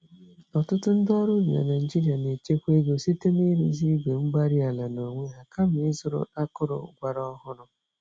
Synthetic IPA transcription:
ɔ˨tʊ˦tʊ˦n̩˦dɔ˦ɾu˦mi˨a̰˨na˨d͡ʒi˦ɾi˨a˨ne˨t͡ʃe˦kʷe˦ɡo˨si˦te˦m˦i˦ɾḭ˦zi˦ɡ͡be˨ŋ͡m̩˦ɡ͡ba˦ɾi˦a˨la˨no˨ŋʷe˦ɦa˨ka˦m̩˨ɪ˦zʊ˦ɾʊ̰˦a˦kʊ˦ɾʊ̰˨˦ɡʷa˨ɾɔ˦ɦʊ˦ɾʊ˦

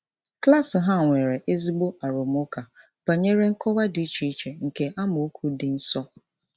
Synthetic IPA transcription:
kla˦sʊ˨ɦa˦˨ŋʷe˨ɾe˨ʔe˦zi˦ɡ͡bo˦a˨ɾʊ˨m˦ʊ˦ka˨ | b̥a˨ɲe˦ɾe˦ŋ̩˦kɔ˦wa˦di˨˦i˦t͡ʃi˦t͡ʃe˨ŋ̩˨ke˨ʔa˦mʊ˨u˦kʰʷu˦dɪ˨n̩˦sɔ˦

